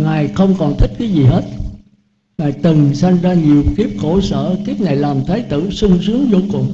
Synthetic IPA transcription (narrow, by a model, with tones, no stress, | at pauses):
ŋaː˨˩jxə˧wŋ͡mkɔ˨˩nt̪ʰï˦˥k̚kaː˨˦jzi˨˩ɦe˦˥t̚ | ŋaː˨˩jt̪ɨ˨˩ŋsa˧jnzaː˧ɲi˨˩əwki˦˥əp̚xo˧˩sə̰ː˧˨t̪ʰi˦˥ət̚na˨˩jlaː˨˩mt̪ʰaː˨˦jt̪ɨ̰˧˩˨sʊ˧ŋsɨ˨˦əŋzo̰˧˩kʊ̰˨˩ŋ͡m